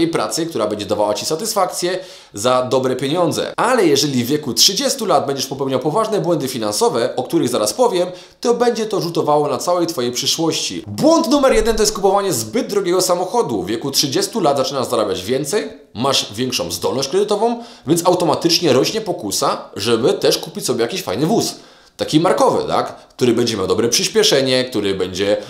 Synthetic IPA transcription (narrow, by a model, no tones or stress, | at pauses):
ejpɾa̰t̪sɘkt̪uɾabɛɲd͡ʑɛd̪avawat͡ɕisat̪ɘsfak̚t̪sʲjɛ | zad̪ɔbɾɛpʲjeɲɔnd̪zɛ̰ʔalɛjɛʐɛlʲivʲjɛkutʂɘd͡ʑɛst̪ulad̪̚bɛɲd͡ʑɛʂpɔpɛwɲawpɔvaʐnɛbwɛnd̪ɘfʲinansɔvɛʔɔk̚t̪uɾɘɣzaɾaspɔvʲjɛm | t̪ɔbɛɲd͡ʑɛt̪ɔʐut̪ɔvawɔnat̪sawɛjt̪fɔjejpʂɘʂwɔɕt͡ɕḭbwɔnt̪numɛɾjɛd̪ɛnt̪ɔjɛst̪kupɔvaɲɛzbɘd̪̚ːɾɔɡʲɛɡɔsamɔxɔd̪uvʲjɛkutʂɘd͡ʑɛst̪ulad̪zat͡ʂɘnaʐzaɾabʲjad͡ʑvʲjɛnt̪sɛj | maʐvʲjɛŋkʂɔ̰̃zd̪ɔ̰lnɔɕt͡ɕkɾɛd̪ɘt̪ɔvɔ̃w̃vʲɛntsawt̪ɔmat̪ɘt͡ʂɲɛɾɔɕɲɛpɔkusaʐɛbɘt̪ɛʂkupʲit͡ɕʲsɔbʲjɛjakʲiɕfa̰jnɘvus | t̪akʲimaɾkɔvɘ̰t̪a̰kkt̪uɾɘbɛɲd͡ʑɛmʲjawd̪ɔbɾɛpʂɘɕpʲjɛʂɛɲɛk̚t̪uɾɘbɛɲd͡ʑɛ